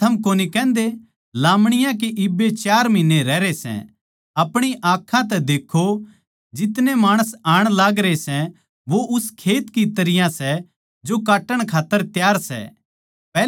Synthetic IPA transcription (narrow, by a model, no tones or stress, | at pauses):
ɐmkoːnikɛ̃ːnd̪e | laːmɽ̃ɪjãk̬iʔɪbːet͡ʃaːɾmĩnːeɾɛːɾesɛ̰̃ | ɐpɽ̃iʔãːkʰːãt̪ɛd̪eːkʰːo | d͡ʒɪt̪nemaːɽ̃əsaːɽ̃laːɡɾesɛ̃ | ʋoʔʊskʰeːt̪kit̪ɐɾɪjãsɛ | d͡ʒokaːʈəɽ̃kʰaːt̪ːəɾt̪jaːɾsɛ̰ | ɛː